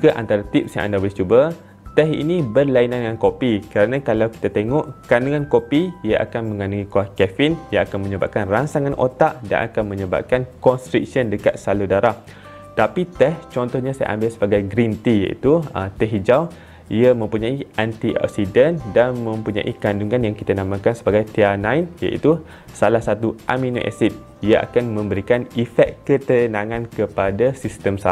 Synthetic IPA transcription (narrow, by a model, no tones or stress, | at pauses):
d͡ʒuɡaʔa̰nt̪aɾat̪ip̚sjã̰ŋʔa̰ndabolɛht͡ʃuba | t̪ɛɦḭnĩbərlainanŋãnkopikəɾanãkalawki̥t̪at̪eŋɔʔkanaŋãnkopiiaʔa̰kanmə̃ŋanaŋĩkuahkɛfinjaakanmə̃ɲəba̰ʔp̚kanransaŋanʔo̰t̪aʔda̰nʔa̰kanmə̃ɲəba̰p̚kankɔnst̪ɾik̚səndəkat̪̚saludaɾah | t̪apit̪ɛht͡ʃɔnt̪ɔhɲasaja̰ʔa̰mbɪlsəbaɡajɡɾint̪ija̰ʔḭt̪uət̪ɛɦd͡ʒaw | iamə̃mpuɲaiant̪iʔɔ̰k̚sidəndanmə̃mpuɲã̰ʔikanduŋãnjaŋkit̪anamãkansəbaɡajt̪eanãjnja̰ʔḭt̪u | salahsat̪uʔamino̰ʔɛ̰sit̪̚ | iaʔa̰kanmə̃mbəɾikanifɛt̪̚kət̪ənãŋãnkəpadasist̪əmsa